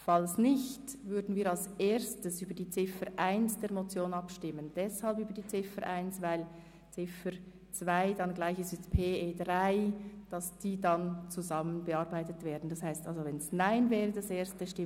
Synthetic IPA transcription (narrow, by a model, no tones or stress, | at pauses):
fɑlsnɪçt | vʏɐdn̩viːɾɑlseːɾstəsyːbəɐɾdiːt͡sɪfəɾʔaɪnsd̥ɛːɐmot͡sjoːnɑpʃtɪmənd̥ɛshɑlpyːbəɾdiːt͡sɪfəɾʔaɪnsvaɪl | t͡sɪfəɾ | t͡sv̥aɪdɑnɡlaɪçɪsɪstpʰeːeːdʁaɪd̥ɑsd̥iːdɑnt͡suzɑmənbəɑʁbaɪtətv̥ɛːdn̩dɑshaɪstʔɑlzovɛnsnaɪnvɛːʁədɑseːstəʃtɪ